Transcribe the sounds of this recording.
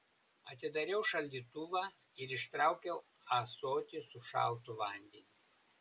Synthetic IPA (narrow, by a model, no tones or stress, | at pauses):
ɐt̪ʲɪd̪ɐɾʲɛʊʃɐlʲd̪ʲiːt̪uʋɑː | ɪɾɪʃt̪ɾɑˑʊkʲɛʊ | ɑːsoːt̪ʲɪsʊʃɑ̰ˑlˠt̪ʊʋɐˑnʲd̪ʲɛnʲiː